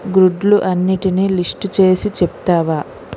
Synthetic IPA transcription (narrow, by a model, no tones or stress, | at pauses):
ɡɾuɖluʔɐnːiʈiniːlisʈt͡ʃe̞ːsit͡ʃepu̥t̪aːʋaː